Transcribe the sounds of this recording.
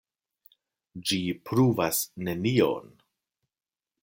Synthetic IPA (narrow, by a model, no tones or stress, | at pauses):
d͡ʒipɾuvasne̞nio̰n